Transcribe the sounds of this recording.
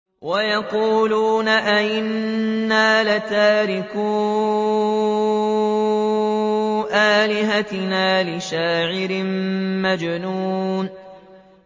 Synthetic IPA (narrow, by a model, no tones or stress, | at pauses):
wʔajɑquːluːnaʔaʔɪnːaːlat̪aːɾɪkuː | ʔaːlɪɦat̪ɪnaːlɪʃaːʕɪɾɪmmad͡ʒnuːn